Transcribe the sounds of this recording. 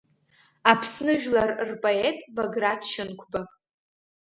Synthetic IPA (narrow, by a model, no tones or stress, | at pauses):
apʰsnɨʒᶣlarrpʼoetʼboɡratʰʃɪnkʷʰba